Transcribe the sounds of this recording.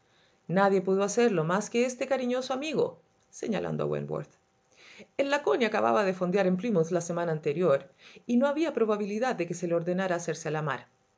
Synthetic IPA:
naðje̞puðoaseɾlo̞maskeest̪e̞kaɾiɲo̞soamiɣo̞̰ | se̞̰ɲa̰lʔa̰nd̪oa̰wḛnbwo̰ɾθ | elːakonjiakaβa̰βaðefo̞nd̪jaɾemplimuθlasemanaːnt̪e̞ɾjo̞ɾino̞aβiapɾo̞βaβiliðaðːe̞kese̞leo̞ɾðenaɾaːseɾsealama̰ɾ

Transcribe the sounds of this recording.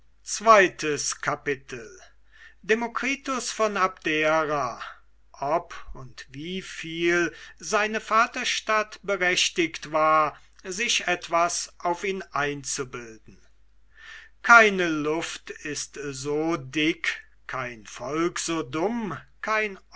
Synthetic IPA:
t͡sv̥aɪtʰəskʰapɪtʰl̩ | demokʁ̥iːtʊsfɔnapd̥eːʁa | ʔɔpʊntviːfiːlzaɪnəfaːtɐʃtatb̥əʁɛʃtɪktvaːɐ | zɪʃɛtv̥asʔaʊfiːnʔaɪnt͡subɪldn̩ | kʰaɪnəlʊftɪstzoːdɪk | kʰːaɪnfɔlkz̥oːdʊmkʰaɪn

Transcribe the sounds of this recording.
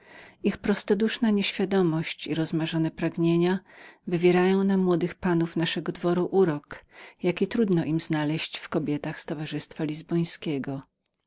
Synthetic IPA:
ixpɾɔst̪ɔd̪uʂnaɲeɕfʲjad̪ɔmɔɕt͡ɕiɾɔzmaʐɔnɛpɾaɡɲeɲavɘvʲjɛɾajɔ̃w̃namːwɔd̪ɘxpanufnaʂɛɡɔd̪vɔɾuʔuɾɔkjakʲit̪ɾud̪nɔʔimznalɛɕt͡ɕfkɔbʲjɛt̪axst̪ɔvaʐɘst̪falʲizbɔj̃skʲɛɡɔ

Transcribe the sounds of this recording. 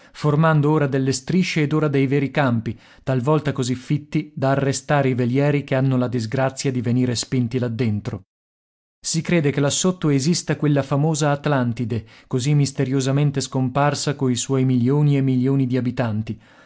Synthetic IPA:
formand̪ooːɾad̪elːest̪ɾiʃːeːd̪oːɾad̪ejvɛːɾikampi | t̪alvɔlt̪akozifːit̪ːid̪aːrːest̪aːɾeiveljɛːɾikeanːolad̪izɡɾat̪sːjad̪iveniːɾespint̪ilad̪ːent̪ɾo | sikɾeːd̪ekelasːot̪ːoezist̪akwelːafamoːzaːt̪lant̪id̪ekozimːist̪eɾjozament̪eskomparsakoiswɔjmiljoːniemːiljoːnid̪iabit̪ant̪i

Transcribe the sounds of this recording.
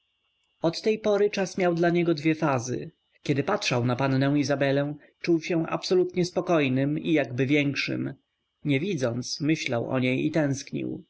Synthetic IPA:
ɔt̪ːɛjpɔɾɘt͡ʂasmʲjawd̪laɲɛɡɔd̪vʲjɛfazɘ̰ | kʲɛd̪ɘpatʂawnapanːɛ̃w̃izabɛlɛ̃w̃ | t͡ʂuwɕɛ̃ʔa̰psɔlut̪ɲɛspɔkɔjnɘmijaɡbɘvʲjɛŋkʂɘ̰m | ɲɛvʲid̪zɔnt̪smɘɕlawɔ̰ɲejit̪ɛ̃w̃skɲḭw

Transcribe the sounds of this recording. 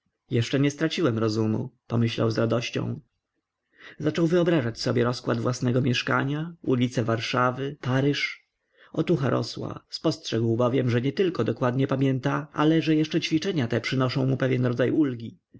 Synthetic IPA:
jɛʂt͡ʂɛɲɛst̪ɾat͡ɕiwɛmɾɔzumṵpɔmɘɕla̰wzɾad̪ɔɕt͡ɕɔ̰̃w̃ | zat͡ʂɔwvɘɔbɾazat͡ɕsɔbʲjɛɾɔskwa̰d̪vwasnɛɡɔmʲjɛʂka̰ɲaulʲit̪sɛvaɾʂavɘpaɾɘʂ | ɔt̪uxaɾʔɔ̰swa̰spɔstʂɛɡwbɔvʲjɛmʐɛɲɛt̪ɘlkɔd̪ɔkwad̪ɲɛpamʲjɛnt̪aʔa̰lɛʐɛjɛʂt͡ʂɛt͡ɕfʲit͡ʂɛɲat̪ɛpʂɘnɔʂɔ̃w̃mupɛvʲjɛnɾɔd̪zajulɡʲi

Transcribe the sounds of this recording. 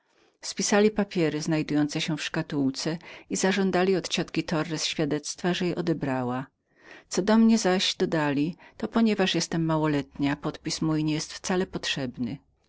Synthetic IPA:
spʲisalʲipapʲjɛɾɘznajd̪ujɔnt̪sɛɕɛfʂkat̪uwt̪sɛizaʐɔnd̪alʲiɔt̪t͡ɕɔt̪kʲit̪ɔrːɛsɕfʲjad̪ɛt̪st̪faʐɛjɛʔɔd̪ɛbɾawa | t̪sɔd̪ɔmɲɛzaɕd̪ɔd̪alʲit̪ɔpɔɲɛvaʂjɛst̪ɛmːawɔlɛt̪ɲapɔt̪pʲismujiɲɛjɛst̪ft̪salɛpɔtʂɛbnɘ

